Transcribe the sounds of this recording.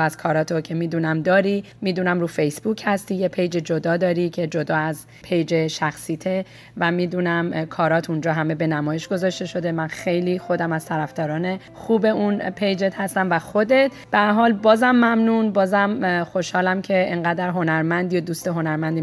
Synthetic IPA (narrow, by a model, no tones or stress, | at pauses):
æz̥kʰɒːɾɒːt̪ʰocʰemiːd̪uːnæmd̪ɒːɾi | miːd̪uːnæmruːfejsb̥uːchæst̪iːjepʰe̞jd͡ʒed͡ʒo̞d̪ɒːd̪ɒːɾicʰe̞d͡ʒo̞d̪ɒːæz | pʰe̞jd͡ʒe̞ʃæxsiːt̪ʰe̞ | væmiːd̪uːnæmkʰɒːɾɒːt̪ʰund͡ʒɒːɦæme̞be̞næmɒːjeʃɡo̞zɒʃt̪e̞ʃo̞d̪e̞mænxe̞jliːxo̞d̪æmæz̥t̪ʰæɾæfd̪ɒːɾɒːne̞ | xuːbe̞unpʰe̞jd͡ʒet̪ʰhæst̪æmvæxo̞d̪e̞t̪ʰb̥eæɾɦɒːlbɒːzæmːæmnunbɒːzæmxo̞ʃhɒːlæmcʰe̞eŋɢæd̪æɾɦo̞næɾmænd̪ijod̪uːst̪eɦo̞næɾmænd̪i